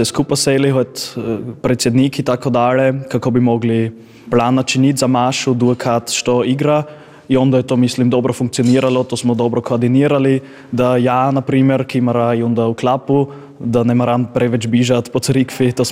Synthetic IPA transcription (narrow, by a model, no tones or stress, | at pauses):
sɛskupasɛliɦɔt̪pɾɛt̪sjɛd̪nikit̪akʰod̪alɛkakobimɔɡli | plaːnat͡ʃinʲit̪zamaʃud̪uəkʰat̪ʃt̪oiɡɾa | iɔnd̪aɛt̪omislimd̪ɔbɾɔfuŋkt̪sijoniːɾalɔt̪osmɔd̪ɔbɾɔkʰoad̪iniəɾali | d̪ajaːnapɾiːmɛɾkimaɾaiɔnd̪auklapu | d̪anɛmaɾanpɾɛʋɛt͡ʃbiʒat̪pɔt̪sɾikfit̪os